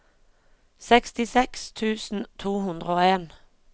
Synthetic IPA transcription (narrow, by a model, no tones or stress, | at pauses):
sɛkst̪ɪsɛkst̪ʰʉːsn̩t̪ʰuːhʉnd̪ʁəoːeːn